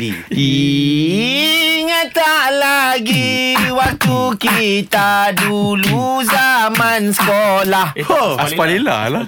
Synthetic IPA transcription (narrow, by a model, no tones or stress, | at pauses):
bḭi | ŋãt̪aʔlaɡiwak̚t̪ukit̪aduluzamãnsə̥kɔlahospalila̰la